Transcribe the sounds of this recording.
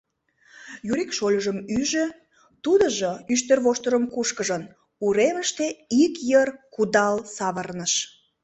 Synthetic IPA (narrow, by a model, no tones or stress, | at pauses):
juɾikʃolʲəʒəmyʒø | t̪ud̪əʒoyʃt̪ərβoʃt̪ərəmkuʃkəʒən | uɾeməʃt̪eikjərkud̪ɑlsɑβərnəʃ